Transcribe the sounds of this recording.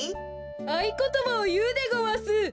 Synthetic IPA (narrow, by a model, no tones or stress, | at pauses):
aikot̪omaojɯːd̪eɡoβasɨ